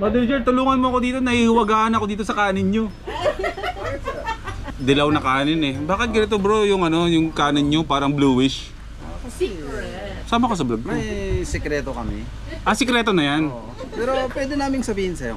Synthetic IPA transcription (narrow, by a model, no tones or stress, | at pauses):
mɐd̪ʊɾd͡ʒɛɾt̪ʊluːŋɐnmoɐko̞d̪iːt̪onɐhihɪwɐɡaːhɐnɐkoiːt̪o̞sɐkaːnɪnɲo̞ | d̪ɐlɐwnɐkaːnɪnɛbaːkɪt̪̚ɡɪɾɛt̪obɾojʊŋɐno̞jʊŋkaːnɪnɲopaːɾɐŋbluːwɪʃ | saːmɐkos̬ɐblɐɡ̚kojsɛkɾɛt̪okɐmɛ̰ | ʔɐsɛkɾɛːt̪o̞nɐjan | pɛːɾopwɛːd̪ɛnaːmɪŋsɐbiːhɪnsɐjo̰